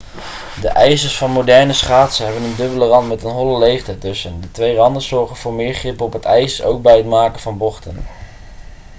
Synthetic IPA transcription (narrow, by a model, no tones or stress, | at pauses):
dəʔɛjzəɹsfɑnmowdɛɹnəsχaːtsəɦɛbənəndɵbələrɑntmɛtənɦɔləlejχtətɵsəndətʋejrɑndənzɔɹχənvʊːɹmɪːɹχrɪpɔpɦətɛjsəso̰wk̚bɛjɦətmaːkəvɑnbɔχtən